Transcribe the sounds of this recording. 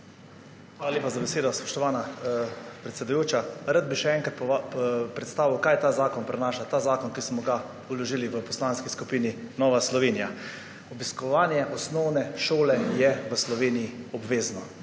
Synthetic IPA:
xʋaːlalʲjeːpazabɛseːd̪ɔspɔ̥ʃt̪ɔʋaːna | pɾɛt̪sɛd̪ujoːt͡ʃaɾad̪̚biʃɛɛ̃ŋkɾat̪ppɾɛt̪st̪aːʋiwkaːjɛt̪aːzaːkɔnpɾɛnaːʃat̪aːzaːkɔnkismɔɡa | ulɔʒiːliʋəpɔslaːnskiskupiːninɔːʋaslɔʋeːnija | ɔbiskɔʋaːnjɛʔɔsnɔwnɛʃoːlɛjɛʋəslɔʋeːnijiɔbʋeːznɔ

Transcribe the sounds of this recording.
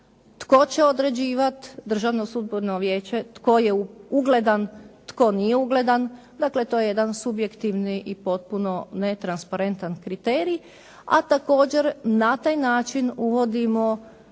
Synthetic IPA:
t̪ko̞t͡ɕeo̞d̪ɾe̞d͡ʑiːʋat̪d̪r̩ʒaʋnosud̪̚boɾnoʋje̞ːt͡ɕe̞t̪ko̞je̞uuɡle̞d̪ant̪ko̞nijeuɡle̞d̪an | d̪akle̞t̪o̞jejed̪ansubje̞kt̪iʋniʔipo̞t̪̚puno̞net̪ɾanspaɾe̞nt̪ankɾit̪eːɾi | a̰t̪ako̞ːd͡ʑe̞ɾnat̪aːjnaːt͡ʃinuʋo̞d̪imo̞

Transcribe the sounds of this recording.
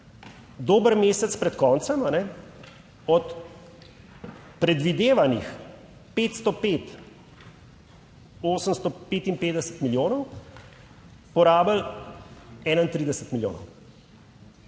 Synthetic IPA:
d̪oːbəɾmeːsɛt̪spɾɛt̪kɔːnt̪sɛmanɛ | ɔt̪ | pɾɛd̪ʋid̪eːʋanix | peːt̪st̪ɔpeːt̪ | oːsəmst̪ɔpeːt̪impeːd̪ɛsə̥t̪miljoːnɔw | pɔɾaːbəl | ɛːnaint̪ɾiːd̪ɛsət̪miljo̰ːnɔ̰w

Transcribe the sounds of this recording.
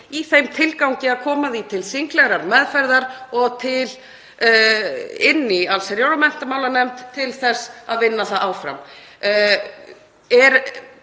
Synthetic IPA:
iθejmt̪ʰɪlkawɲcɪaðkʰɔːmaðit̪ʰɪlsiŋklɛɣɾaɾmɛðfajɾðaɾɔɣt̪ʰɪl | ɪnːɪalsɛɾjoːwɾamɛn̥t̪amaːwlanɛmt̪ʰːɪlθɛsːa̰ðvɪnːaθaðaːwfɾa̰m | ɛɾ

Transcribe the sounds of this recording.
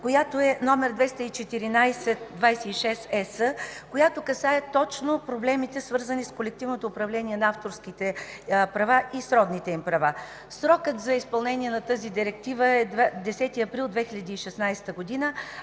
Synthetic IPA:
kojat̪oɛnɔmɛɾd̪vɛst̪ɐit͡ʃɛt̪iɾinajsɛt̪̚d̪vajsɛiʃɛsɛsəkojat̪okɐsaɛt̪ɔt͡ʃnopɾoblɛmit̪ɛsvɤɾzəniskolɛk̚t̪ivnot̪oːpɾɐvlɛniɛnɐaft̪oɾskit̪ɛpɾɐvaʔisɾɔd̪nit̪ɛimpɾɐva | sɾɔkət̪zɐispɐlˠnɛniɛnɐt̪əzid̪iɾɛk̚t̪ivəɛd̪d̪ɛsɛt̪iɐpɾilˠd̪vɛxiʎʲɐd̪iːʃɛsnajst̪əɡod̪inə

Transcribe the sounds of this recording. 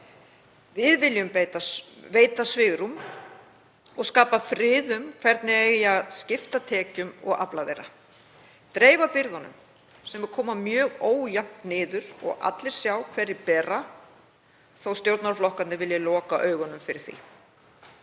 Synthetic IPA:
vɪðvɪljʏmpet̪aveːjt̪asvɪːɣɾum | ɔɣskaːpafɾɪːðʏmkʰvɛɾt̪nɪeɣjaðscɪft̪at̪ʰɛːcʏmɔ̰ɣa̰plaðḛjɾa̰ | t̪ɾeːjvapɪɾðɔnʏ̰m | sɛmɛɾ̥kʰɔːmamjœːɣoːwjam̥t̪nɪːðʏɾɔ̰ɣʔa̰t̪lɪɾ̥sjawkʰvɛːɾːɪɾpɛːrːa | θowst̪jowɾt̪naɾflɔhkat̪nɪvɪljalɔːkaʔœːɥɣɔnʏmfɪɾɪɾ̥θḭ

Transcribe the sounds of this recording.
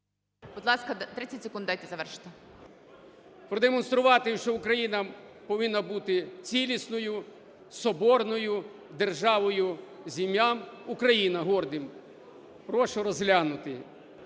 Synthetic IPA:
b̥ʊd̪lˠɑskɐt̪ɾɪt͡sʲːɐtʲsʲɪ̥kund̪d̪ajt̪ɛzɐʋɛrʃɪ̥t̪ɪ | pɾɔd̪emɔnst̪ɾʊʋɑt̪ɪʃt͡ʃɔʊkɾɐjinɐpɔʋɪnːɐbut̪ɪt͡sʲilʲisnɔjʊ | sɔbɔrnɔjʊ | d̪erʒɑʋɔjʊ | zʲimʲjamukɾɐjinɐɦɔrd̪ɪm | pɾɔʃʊɾɔzɦlʲanʊt̪ɪ

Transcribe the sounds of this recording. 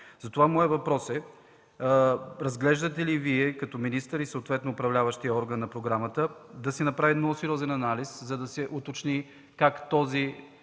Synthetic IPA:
z̥ɐt̪ovamɔjəvɐpɾɔsɛ | ɾɐzɡlɛʒd̪ət̪ɛliviɛkɐt̪ɔminist̪əɾisəot̪vɛt̪noːpɾɐvlʲavəʃt̪ijəɔɾɡənːɐpɾoɡɾamət̪əd̪ɐsɛnɐpɾavinɔsɛɾʲɔzɛnɐnaliszɐd̪ɐsɛʔʊt̪ot͡ʃni | kakt̪ɔzi

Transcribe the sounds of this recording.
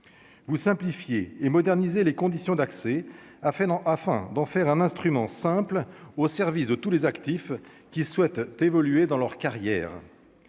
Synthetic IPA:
vusɛ̃plifjeːmɔd̪ɛʁnizelekɔ̃d̪isjɔ̃d̪aksɛ | afɛ̃afɛ̰̃d̪ɑ̃fɛʁɛ̃nɛ̃st̪χymɑ̃sɛ̃plosɛʁvisd̪ət̪ulezakt̪if | kʲiswɛt̪t̪evɔlyed̪ɑ̃lœʁkaʁjɛ̰ːʁ

